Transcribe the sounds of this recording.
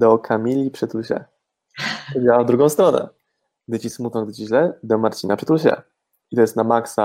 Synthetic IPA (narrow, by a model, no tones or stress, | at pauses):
d̪ɔkʰamʲilʲːipʂɛt̪uɕɛ̰ | ɔd͡ʑawavd̪ɾuɡɔ̃w̃st̪ɾɔnɛ̰ | ɡ̚d̪ɘt͡ɕismut̪nɔ̃ɡd̪ɘt͡ɕiʑlɛd̪ɔmaɾt͡ɕinapʂɛ̥t̪uɕɛ̰ | it̪ɔjɛst̪namaksa